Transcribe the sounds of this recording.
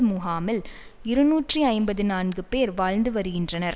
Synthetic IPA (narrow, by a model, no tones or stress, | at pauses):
muɦaːmɪlɪɾɯnuːʈriɐɪmbɐðɯnaːnɡɯpeːɾʋaːɻnd̪ɯʋɐɾɯɣɪndrɐnɐɾ